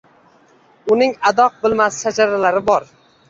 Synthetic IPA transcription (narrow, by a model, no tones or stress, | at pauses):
ʊnɪŋad̪ɒq̚bɪlˠmasɪ̥ʃad͡ʒaɾalaɾɪbɒɾ